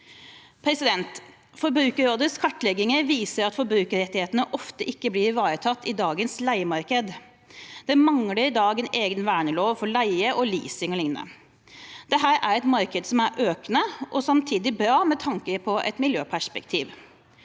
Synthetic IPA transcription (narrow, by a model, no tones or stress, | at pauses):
pʰɾɛsɪd̪ɛnt̪ | fɔɾbɾʉːkəɾoːd̪əskʰɑʈːlɛɡɪŋəɾʋiːsəɾɑt̪fɔɾbɾʉːkəɾɛt̪ːɪheːt̪ənəʔɔft̪əʔɪkːəblɪɾʋɑːɾət̪ʰɑt̪ːɪd̪ɑːɡənslæɪəmɑɾkəd̪ | d̪̥ɛmɑŋləɾɪd̪ɑːɡɛneːɡənʋæːɳəloːʋfɔɭæɪəʔɔlḭːsɪŋɔlɪŋnnə̰ | d̪̥ɛɦæːɾæɾɛt̪mɑɾkəd̪sɔmæɾʔøːknəʔɔsɑmt̪ʰiːd̪ɪbɾɑːmɛt̪ʰɑŋkəɾpʰɔʔɛ̰t̪mɪljøːpʰæʂpɛkt̪ʰiːʋ